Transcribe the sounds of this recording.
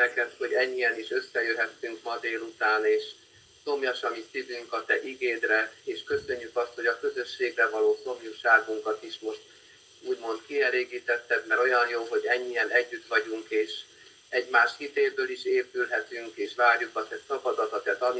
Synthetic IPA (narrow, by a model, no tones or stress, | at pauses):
nɛkɛt̪ho̞ɟɛɲːiɛniʃø̞sːɛjøɦɛt̪ːyŋkmɒd̪eːlut̪aːneːʃ | so̞mjɒʃɒmisivyŋkɒt̪ɛʔiɡeːd̪rɛeːʃkø̞sø̞ɲːykɒst̪ho̞ɟɒkø̞zø̞ʃːeːɡrɛvɒloːso̞mjuʃaːɡuŋkɒt̪iʃmo̞ʃt̪ | uːɟmo̞nt̪kiɛleːɡiːt̪ɛt̪ːɛd̪mɛɾo̞jɒnjoːɦo̞ɟɛɲːijɛnɛɟːyt̪ʋɒɟuŋkeːʃ | ɛɟmaːʃhit̪eːlbøːliʃeːpylɦɛt̪yŋkeːʃvaːrjukɒt̪ɛsɒkɒd̪ɒt̪ɒt̪ɛt̪ɒn